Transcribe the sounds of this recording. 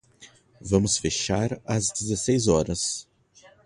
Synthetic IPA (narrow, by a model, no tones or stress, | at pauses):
vɐ̃mʊsfeʃaɾɐzd͡ʒezesejzɔɾɐs